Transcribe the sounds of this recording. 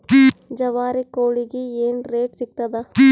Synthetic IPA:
d͡ʒɐʋaːɾikoːɭiɡeeːnɾeːʈsik̚t̪ɐd̪ɐ

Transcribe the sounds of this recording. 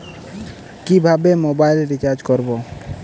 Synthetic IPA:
kibʱabemobailɾit͡ʃaɾd͡ʒkɔɾbo

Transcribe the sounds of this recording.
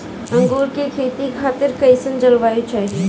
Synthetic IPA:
ɐ̃ŋɡoːɾkekʰeːt̪ikʰaːt̪ɪɾkɐisənd͡ʒɐlʋaːjut͡ʃʰae

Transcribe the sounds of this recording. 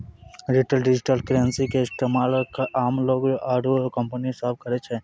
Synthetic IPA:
ɾiʈəlɖɪd͡ʒɪʈəlkɾeənsikeɪst̪eːmaːlkaʔaːmloːɡʔaːɾokə̃mpənisaːb̚kəɾet͡ʃʰɛ̃ː

